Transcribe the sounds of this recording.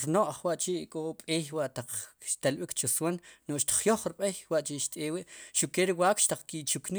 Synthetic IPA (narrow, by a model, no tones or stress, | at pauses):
ɾnoʔχwaʔt͡ʃiʔkʼoɓʼeːjwaʔt̪aq͡χʃt̪alɓikt͡ʃuswannoχʃt̪i̥χjoχɾɓejwaʔt͡ʃiʃt̪ʼeːwiʔʃuʔkeɾiwaːkʃt̪aq͡χkit͡ʃukni